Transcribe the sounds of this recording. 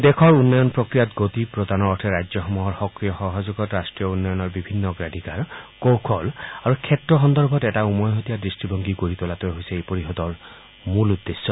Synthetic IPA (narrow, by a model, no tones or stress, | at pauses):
d̪ekʰɔɹunːɔjɔnpɹokɹijatɡot̪ipɹod̪anɔɔtʰɛɹajd͡ʒzɔxɔmuɦɔɹxɔkɹijɔxɔɦazuɡɔtɹastɹijɔunːɔjɔnɔɹbibʱinːɔɡɹadʱikaɹkowkʰɔlaɹukʰɛtɹɔxɔnd̪ɔɹbʱɔtɛtaumɔjɦot̪ijadistɹibɔŋɡiɡoɹit̪ɔlat̪ɔɦojsɛepoɹiɦɔd̪ɔɹ | mulud̪ːesːɔ